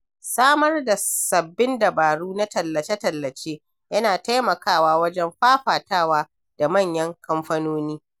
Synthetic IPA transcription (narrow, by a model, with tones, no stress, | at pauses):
saː˦mɐ˦rda˨sɐ˨bːɪ˦ndɐ˨baː˨ɽuː˦na˦tɐ˨lːɐ˨t͡ʃe˦tɐ˨lːɐ˨t͡ʃeː˦ | jɐ˦naː˨ta˦jmɐ˨kaː˦˨waː˦wɐ˦d͡ʒɛ˦mɸaː˦ɸaː˨taː˦waː˦ | d̥a˨mɐ˦˨ɲjɐ˦ŋkɐ˦mɸɐ˦noː˦niː˦